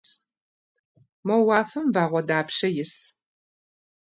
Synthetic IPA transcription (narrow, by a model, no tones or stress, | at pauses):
mɐwɑːfɐmvaːʁʷɔdaːpʃɐjɪs